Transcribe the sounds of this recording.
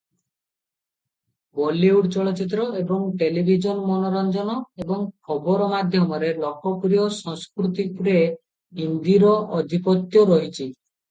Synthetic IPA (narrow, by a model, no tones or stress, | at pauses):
bɔliuɖt͡ʃɔɭɔt͡ʃit̪̬ɾɔebɔŋʈelibʱid͡ʒɔnmɔnɔɾɔnd͡ʒɔnɔebɔŋkʰɔbɔɾɔmad̪ʱjɔmɔɾelɔkɔpɾijɔsɔŋskɾut̪ipɾe | ɦind̪iɾɔɔd̪ʱipɔt̪jɔɾɔɦit͡ʃʰi